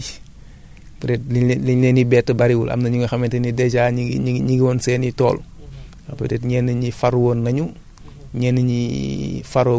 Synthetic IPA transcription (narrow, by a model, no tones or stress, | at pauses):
pɾɛt̚lilɛnibɛːtːəbɐɾiwulʔɐ̰mnɐɲuŋɐxɐmɛntɛnidɛd͡ʒaːɲiiɲiɡiwɔːnsɛːnitɔːl | ɐpəɾɛtɲɛːnːɐɲifaɾwoːnːɐɲu | ɲɛːnːɐɲifaɾoː